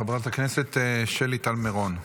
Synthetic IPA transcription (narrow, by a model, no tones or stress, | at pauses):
abat̪akneset̪ʃelit̪almeʁon